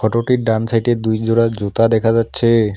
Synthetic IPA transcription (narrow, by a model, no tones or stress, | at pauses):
kʰɔʈoʈiɾɖansʰajʈed̪ujd͡ʑoɾad͡ʑot̪ad̪ɛkʰad͡ʑatːɕʰe